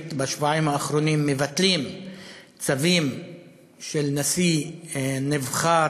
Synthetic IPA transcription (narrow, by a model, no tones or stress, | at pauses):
t̪beaʃvoaimaːχɾo̞nimːevat̪lim | t͡savim | ʃelnasi | nevχa